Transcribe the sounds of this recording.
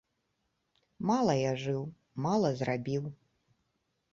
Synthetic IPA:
malˠɐjaʐɨw | malˠɐzrabʲiw

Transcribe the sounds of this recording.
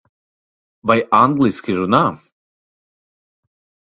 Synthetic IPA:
bajaŋɡlʲˠiskʲiʒuna

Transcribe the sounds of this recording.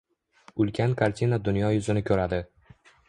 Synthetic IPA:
ʊlkʲʰankʰaɾt̪ʲʰinad̪ʊnjɒjʊzɪnɪkʲʰɵɾad̪ɪ

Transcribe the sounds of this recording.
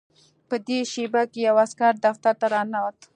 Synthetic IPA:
pəd̪eʃebakejawaskaɾd̪aft̪aɾt̪aɾɑnawat̪

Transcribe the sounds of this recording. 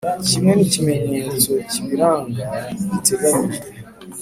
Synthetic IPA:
cimwɛnicimeɲeːzociβiɾaŋɡaitebaɲiɾiɾe

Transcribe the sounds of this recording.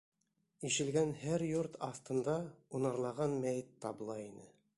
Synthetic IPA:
iʃɘ̆lɡænhæɾjuɾt̪ɑθt̪ɤ̆nd̪ɑunɑɾlˠɑʁɑnmæjɘt̪ːɑblˠɑinɘ

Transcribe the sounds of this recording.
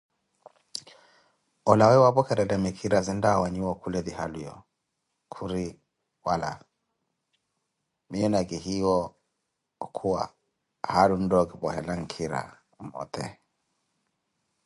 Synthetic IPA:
ɔlawɛwapɔkɛɾɛlɛmikʰiɾazindawaɲuwɔkulɛðiɦalujɔ̰ | kʰuɾi | wala̰ | miɛnaɡihiwɔ | kʰuwa̰ | halundɔɡibɔɦɛlaŋ̩kʰiɾa̰ | mɔ̰t̪ɛ̰

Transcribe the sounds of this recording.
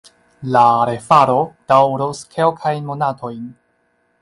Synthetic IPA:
laɾe̞faɾo̞d̥awɾoskʰelkʰajnmo̞natʰo̞jn

